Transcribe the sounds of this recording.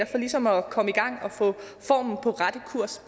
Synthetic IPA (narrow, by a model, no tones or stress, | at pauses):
ɐfɒ̽lisɒ̽mɒ̽kʰɒ̽məiɡ̥ɑ̈ŋ̰ɒ̽fɔ̰̽ː | fɒ̰ːmn̩pʰɒ̽ʁad̥əkʰuɐ̰s